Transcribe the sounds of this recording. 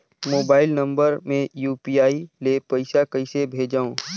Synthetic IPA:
moːbaːɪlnɐ̃mbəɾmẽjuːpiaːilepɐɪsakəɪsebʱeːd͡ʒaːõː

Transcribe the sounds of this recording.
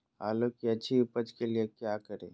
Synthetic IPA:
a̰ːlokiɐtːʃʰiʊpəd͡ʒkeliekjakəɾḛ̃ː

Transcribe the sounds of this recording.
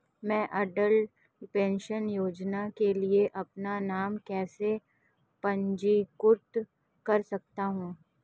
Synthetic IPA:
mɛ̃ːʔɐɖəl | pẽːnʃənjoːd͡ʒnakelieʔɐpnanaːmkɛːse | pɐ̃ɲd͡ʒikʊɾt̪ | kɐɾsɐk̚t̪aɦũː

